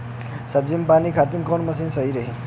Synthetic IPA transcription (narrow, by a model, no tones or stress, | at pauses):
sʌbd͡zimpanikʰat̪inkɔnmʌsinsʌiɾʌɦi